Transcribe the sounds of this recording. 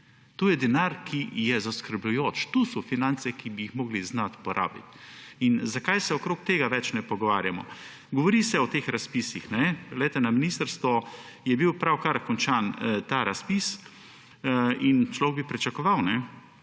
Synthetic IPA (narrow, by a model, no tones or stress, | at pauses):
t̪oːjɛd̪ɛnaɾkʰijɛzaskəɾblujoːt͡ʃt̪usɔfinant̪sɛkibijixmɔːɡliznat̪pɔɾʔa̰ːbit̪inzakajsɛɔkɾoːk̚t̪eːɡaʋɛt͡ʃnɛpɔɡɔʋaːɾjamɔ̰ | ɡɔʋɔɾisɛɔt̪eːxɾaspisixnɛɡlɛjt̪ɛnaminist̪əɾst̪ʋɔ | jɛbiwpɾawkaɾkɔnt͡ʃant̪aːɾaspis | int͡ʃlɔʋɡ̚bipɾit͡ʃakɔʋawnɛ